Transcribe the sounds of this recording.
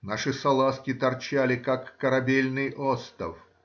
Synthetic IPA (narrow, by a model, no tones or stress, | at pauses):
naʂɨsɐlˠaskʲɪt̪ɐrt͡ɕælʲɪkakːəɾɐbʲelʲnɨjʔost̪ə̰f